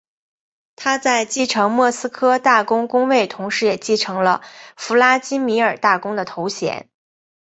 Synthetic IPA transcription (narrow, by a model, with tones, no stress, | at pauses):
t̪ʰa˥t͡sa˥˧ɪt͡ɕi˥˩ʈ͡ʂʰɤ˧˥ŋmwɔ˥˩sɹ̩˥kʰɤ˥t̪a˥˩kʊ˥ŋkʊ˥ŋwe˥˩ɪt̪ʰʊ˧˥ŋʂɻ̩˧˥jɛ˨˩t͡ɕi˥˩ʈ͡ʂʰɤ˧˥ŋlə˧fu˧˥la˥t͡ɕi˥nmi˧˥ə˞˨˩t̪a˥˩kʊ˥ŋd̪ə˨t̪ʰo˧˥ʊɕjɛ̰˧˥n